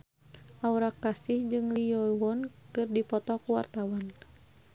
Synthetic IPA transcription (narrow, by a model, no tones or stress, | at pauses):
ʔauɾakːasihd͡ʒɨŋliɔwɔnkɨrdipɔt̪ɔkuwa̰rt̪awan